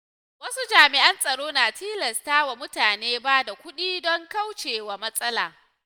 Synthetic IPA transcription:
wɐ˦su˦d͡ʒaː˨mɪ˨ʔɐ˦nsʼɐ˨ɽoː˦naː˨tʰiː˦lɐ˨staː˦wa˨mʊ˦taː˨neː˦ba˦da˨kʷʊ˦ɗiː˦dɔ˦ŋka˦wt͡ʃeː˨wa˨mɐ˦sʼɐ˦la̰ː˨

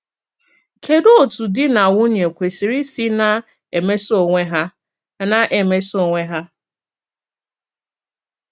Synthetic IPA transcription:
kʰe˨do˦o˨tu˨dɪ˦na˨wʊ˦ɲ˨e˨kʷe˨si˨ɾi˦si˦na˦ | e˨me˦so˨ŋʷe˦ɦa˦˨ | na˨ʔe˨me˦so˨ŋʷe˦ɦa˦

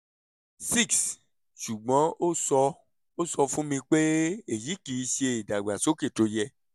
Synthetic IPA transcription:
si˦˨ks | ʃu˨ɡ͡bɔ̃˨˦o˦sɔ˧ | o˦sɔ˧fũ˦mĩ˧k͡pe˦e˨ji˨˦kiː˨˦ʃe˧i˨da˨ɡ͡ba˨so˦ke˦˨to˧jɛ˧

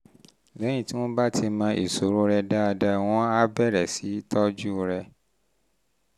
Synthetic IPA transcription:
lɛ˨˦j̃ĩ˦˨ti˨˦w̃ɔ̃˦ba˦ti˧mãː˧ʔḭ˨so˨ɾo˦ɾɛ˧da˦˧da˧˨w̃ɔ̃˦a˦bɛ˦˨ɾɛ˨si˨˦tɔ˦d͡ʒu˦˧ɾɛ˧

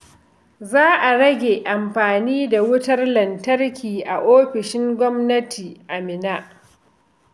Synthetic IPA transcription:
zaː˦ʔa˨ɽɐ˦ɡʲeː˨ʔa˨mɸaː˨niː˦da˨wʊ˦tɐ˦rlɐ˨ntɐ˦rkʲiː˨ʔa˨ʔoː˦ɸɪ˨ʃɪ˦ŋɡʷɔ˦mnɐ˦tʰiː˨ʔa˨mɪ˨naː˦ʔ

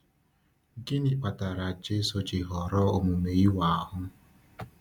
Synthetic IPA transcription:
ɡɪ˦nɪ˦k͡pa˨ta˨ɾa˨d͡ʒe˦so˦t͡ʃɪ˨ɦɔ˨ɾɔ˦o˨mu˨me˨i˦wa˨a˨ɦʊ˦

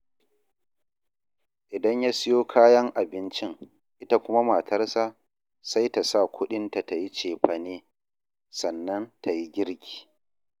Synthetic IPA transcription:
ʔɪ˨dɐ˦ɲja˦sɪ˦joː˦kʰaː˦jɐ˦ŋʔa˨bɪ˦nt͡ʃɪ˦ŋ | ʔɪ˦ta˦kʷʊ˦ma˦maː˨tʰɐ˦rsa˦ | sa˦jta˨sa˦˨kʷʊ˦ɗɪ˦nta˨ta˨ji˦t͡ʃeː˨ɸɐ˨neː˦ | sɐ˨nːɐ˦ntʰa˨ji˦ɡʲɪ˦ɽkʲʰi̥ː˨

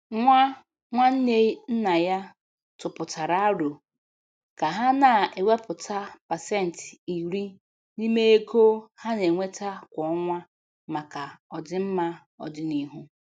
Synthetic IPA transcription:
ŋʷa˦ | ŋʷa˦n̩˦ne˦i˦n̩˦na˨ja˦ | tʊ˨pʊ˨ta˨ɾa˦a˦ɾu˨ | ka˨ɦa˦na˨e˨wʷe˦pʊ˨ta˦pa˨se˦˨n̩˨ti˨ɾi˦ | ni˦me˦e˦kʰo˦ha˦ne˨ŋʷe˦ta˦kʷɔ˨ɔ˦ŋʷa˦ | ma˨ka˨ɔ˨dɪ˦m̩˦ma˦ | ɔ̰˨dɪ˦ni˦ɦu˦

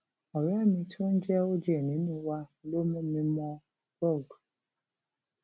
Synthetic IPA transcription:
ɔ˨ɾa˦mi˦tʰʊ˦n̩˦d͡ʒɛ˦o˦d͡ʒe˦˨ni˨˦nu˦wa˦lo˦mʊ˦mi˦mɔ˦ | bɔ˦˨du˨

